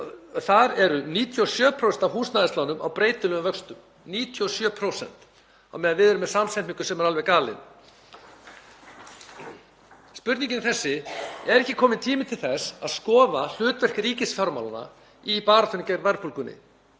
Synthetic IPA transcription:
θaɾɛɾʏniːt̪ʰjuɔsjœːpʰɾowsɛnt̪awɦuːsnaːðɪst̪lawnʏma̰wpɾeːjt̪ʏlʏnvœkst̪ʏm | niːt̪ʰjuɔsjœːpʰɾowsɛ̰n̥t̪ | a̰wmɛːðavɪðɛɾʏmɛðsamsɛniŋkʏsɛmɛɾalvɛɣkaːlɪ̰n | spʏɾt̪iŋcɪnθɛsːɪɛɾɛhcːɪkʰɔːmɪnt̪ʰiːmɪt̪ʰɪlθɛsaðskɔːval̥ʏːt̪vɛr̥kɾiːcɪsfjawɾmawlana̰ | ipaːɾat̪ʰʏnicɛɾvɛɾpʰolkʏnːɪ̰

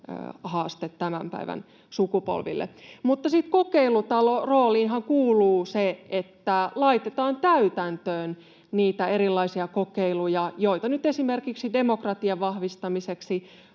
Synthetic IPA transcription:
ø̰hɑːst̪et̪tæmæmpæ̰iʋæ̰n | sukupo̰lʋḭlːʔḛmut̪ːɑsit̪kokeilut̪ɑloroːliːnɦɑŋkuːluːseet̪ːælɑit̪et̪ɑːnt̪æyt̪ænt̪øːn | niːt̪æeɾilːɑisiɑkokeilujɑjoit̪ɑnyt̪esimerkiksidemokrɑt̪iɑʋʋɑhʋist̪ɑmiseksi

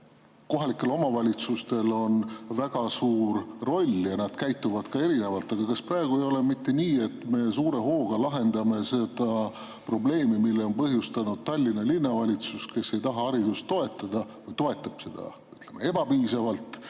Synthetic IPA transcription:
ko̞ɦɑlikːˑe̞lo̞mɑvɑlʲit̪sust̪e̞lo̞nvæɡ̥ɑsuːrːo̞lʲjɑnɑd̪̥kæjt̪ːˑuvɑd̪̥kɑe̞ɾine̞vɑlt̪ːˑɑɡ̥ɑkɑsprɑeɡ̥ue̞jo̞lemit̪ːe̞niːe̞t̪ːˑme̞suːɾe̞ɦo̞ːɡ̥ɑlɑɦe̞nd̪̥ɑme̞se̞d̪̥ɑ | pro̞ble̞ːmimilːeo̞npɤɦjust̪ɑnud̪̥̚t̪ɑlʲːinːɑlinːɑvɑlʲit̪suske̞sːe̞jt̪ɑɦɑɑɾid̪ust̪ːo̞e̞t̪ˑːɑd̪̥ɑvɤjt̪o̞e̞t̪ːˑɑb̥se̞d̪̥ɑ̰ | yt̪ˑle̞mee̞b̥ɑpiːsɑvɑlt̪ˑ

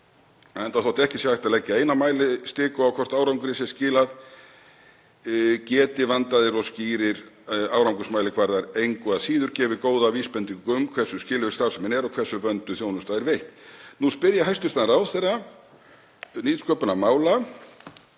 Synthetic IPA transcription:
aɛnt̪aθaht̪ɪɛhcɪsjɛvajht̪alɛcːɪeːjnamaːjlɪst̪ɪːkʏawkʰvɔr̥t̪aːwɾawŋkʏɾɪsɛscɪːlað | cɛːt̪ɪvant̪aðɪɾɔsciːɾɪɾaːwɾawŋkʏsmajlɪkʰvaɾðaɾejŋkʏasiːðʏɾcɛːvɪkoːwðaviːspɛnt̪iŋkʏmkʰv̥ɛrsʏscɪːlʏɪst̪aɾ̥sɛmɛnɛɾɔkʰvɛrsːʏvœnt̪ʏθjoːwnʏmst̪aðɛɾvejht̪nuspɪɾjaɦajst̪ʏst̪anɾaːwθerːa | niːt̪skœːpʏnamaːwla

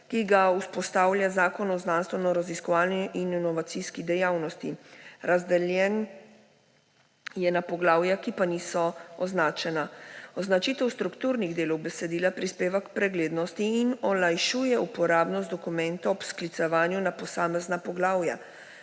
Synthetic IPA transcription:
kiɡauspɔst̪aːwlʲjazaːkɔnɔznanst̪ʋɛnɔɾaziskɔʋaːlniʔinnɔʋat̪siskid̪ɛjaːwnɔst̪iɾazd̪ɛljɛn | jɛnapɔɡlaːwjakipaniːsɔɔznaːt͡ʃɛnaɔznat͡ʃiːt̪ɛwst̪ɾukt̪uːɾniɣd̪eːlɔwbɛsɛd̪iːlapɾispeːʋakpɾɛɡleːd̪nɔst̪iːnɔlajʃuːjɛupɔɾaːbnɔt̪d̪ɔkumɛ̃nt̪ɔːpsklit̪sɛʋaːnjunapɔsaːmɛznapɔɡlaːwja̰

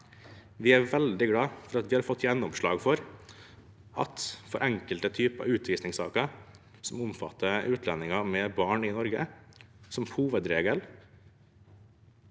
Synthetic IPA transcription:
ʋɪːæʋɛld̪ɪɡlɑːfɔɾɑt̪ʋɪːhɑɾfɔt̪ːjɛnːɔmʂɭɑ̰ːɡfɔɾ | ɑ̰t̪fɔɾʔɛŋkəlt̪ət̪ʰyːpəɑ̰ʉːt̪ʰʋiːsnɪŋsɑ̰ːkə | sɔmʊmfɑt̪ʰːəʉːt̪ʰlɛnːɪŋɑmɛːbɑːɳɪnɔɾɡəsɔmhuːʋəd̪ɾeːɡəl

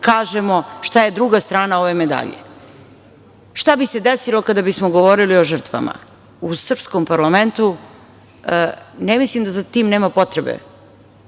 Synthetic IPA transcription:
kaːʒemoʃt̪aje̞d̪ɾuɡast̪ɾaːnaoʋemed̪a̰ʎḛ | ʃt̪abise̞d̪esilo̞kad̪abismoɡo̞ʋoɾilioʒər̩t̪ʋa̰ma̰ | usr̩pskompaɾlament̪u | nemislimd̪azat̪iːmneːmapo̞t̪ɾebḛ

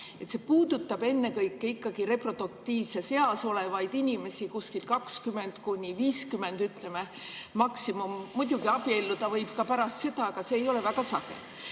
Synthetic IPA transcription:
e̞t̪sepuːd̪ut̪ːˑɑb̥e̞nːe̞kɤjkːeikːɑɡ̥iɾe̞pro̞d̪̥uk̚t̪ːiːvsese̞ɑso̞le̞vɑjd̪̥inʲime̞sikuskilkɑkskyme̞nd̪̥kunʲːiviːskyme̞nd̪yt̪ˑle̞me | mɑksimumːud̪̥ʲuɡ̥iɑb̥ie̞lːud̪̥ɑvɤjb̥kɑpæɾɑst̪se̞d̪̥ɑɑɡɑse̞ːjo̞le̞væɡ̥ɑsɑɡ̥e̞̰

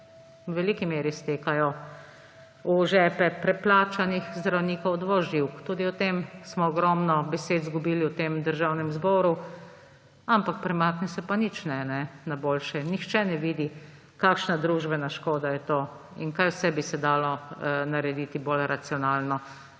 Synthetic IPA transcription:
wʋɛlikimeːɾist̪eːkajɔ | uʒɛːpɛpɾɛplaːt͡ʃanixzd̪ɾawniːkɔwd̪ʋɔʒiwkt̪uːd̪iɔt̪emsmɔːɡɾɔːmnɔbɛseːd̪zɡubiːliwt̪eːmd̪əɾʒawnɛmzbɔːɾu | ampak̚pɾɛmaːknɛsɛpanit͡ʃnɛnɛnaboːlʃɛnixt͡ʃɛnɛʋiːd̪i | kaːkʃnad̪ɾuːʒbɛnaʃkoːd̪ajɛt̪oː | inkajwsɛbisɛd̪aːlɔnaɾɛd̪iːt̪ibolɾat̪sijɔnaːlnɔ

